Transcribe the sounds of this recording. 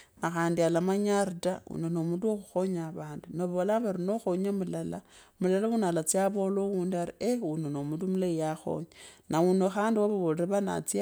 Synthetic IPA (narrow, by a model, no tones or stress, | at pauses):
naxaːndialamaɲaɾitaṵnenomuduoxuxo̞ɲaβaːndunoβolaβaɾino̞xoɲamulala | mulalaunalat͡siaβo̞lowuːndiaɾieunenomudumulaijaxo̞̰ɲanaunoxaːndiwaβoβoleɾeβana̰t͡sia